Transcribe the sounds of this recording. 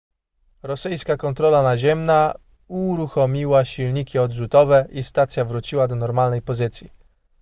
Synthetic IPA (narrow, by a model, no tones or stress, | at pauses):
ɾɔsɘjskakɔnt̪ɾɔlanaʑɛmna | uɾuxɔmʲiwaɕilɲikʲiɔd̪ʐut̪ɔvɛʔist̪at̪sʲjavɾut͡ɕiwad̪ɔnɔɾmalnɛjpɔzɘt̪sʲji